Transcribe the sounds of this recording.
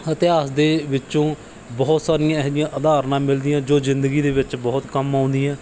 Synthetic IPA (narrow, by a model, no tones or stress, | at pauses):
ət̪ɪaːsd̪eːʋɪt͡ʃõː | bɔːt̪saːɾɪjãːɛɦd̪ɪjãːʔəd̪aːɾnãːmɪld̪ɪjãːd͡ʒoːzɪnd̪əɡiːd̪eːʋɪt͡ʃbɔːt̪kəmãːʊnd̪ijãː